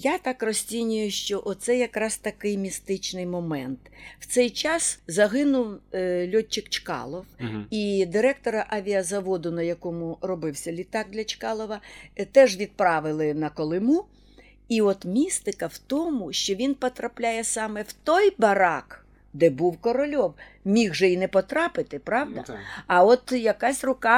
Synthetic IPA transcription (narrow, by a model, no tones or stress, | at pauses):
jat̪ɑkrɔsʲt͡sʲinʲʊjʊʃt͡ʃɔʔɔt̪sɛjɐkɾɑzt̪ɐkɪjmʲist̪ɪt͡ʃnɪjmɔmɛnt̪w̥t̪sɛjt͡ʃɑszɐɦɪnʊwlʲɔt͡ʃːɪkt͡ʃkɑ̰lˠɔwid̪ɪɾɛkt̪ɔɾɐʔɐʋʲiɐzɐʋɔd̪ʊnɐjɐkɔmʊrɔbɪwsʲɐlʲit̪ɑɡ̚d̪lʲɐt͡ʃkɑlˠɔʋɐt̪ɛʒʋʲid̪̚pɾɑʋɪlˠɪnɐkɔlˠɪmu | iɔt̪mʲist̪ɪkɐwt̪ɔmʊʃt͡ʃɔʋʲinpɔt̪ɾɐplʲajɛsɑmɛwt̪ɔjbɐɾɑk | d̪ɛbuwkɔɾɔlʲɔw | mʲiɣʒɛinɛpɔt̪ɾɑpɪt̪ɪpɾɑwd̪ɐ̰ɐɔt̪jɐkɑsʲrʊkɑ